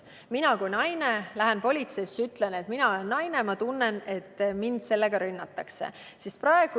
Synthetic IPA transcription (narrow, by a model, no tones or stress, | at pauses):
minɑkujnɑjne̞læɦenpo̞lʲit̪se̞sːyt̪ˑle̞ne̞t̪ːˑminɑo̞le̞nːɑjne̞mɑt̪unːe̞ne̞t̪ːˑmind̪̥se̞lːe̞ɡ̥ɑɾynːɑt̪ːˑɑkse̞̰ | sisprɑe̞ɡ̥u